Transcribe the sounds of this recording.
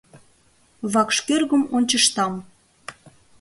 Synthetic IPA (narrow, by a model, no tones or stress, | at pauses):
βɑkʃkerɣə̆monʲt͡ɕəʃt̪ɑm